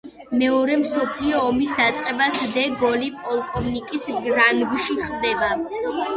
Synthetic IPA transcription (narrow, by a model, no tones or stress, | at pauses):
mɛɔɾɛmsɔpʰliɔːmisd̪at̪sʼqʼɛbasd̪ɛɡɔlipʼɔlˠkʼɔvnikʼisɡɾanɡʃiχd̪ɛba